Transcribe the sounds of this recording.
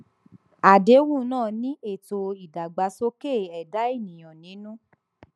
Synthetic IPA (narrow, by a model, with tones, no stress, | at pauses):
a˨de˨˦wũ˦˨˦nãː˦˨nĩ˦ʔe˦˨to˧i˨da˨ɡ͡ba˨˧˦so˦ke˦˨ɛ˨da˨˦i˦˨nĩ˨j̃ɔ̃˨nĩ˨˦nũ˦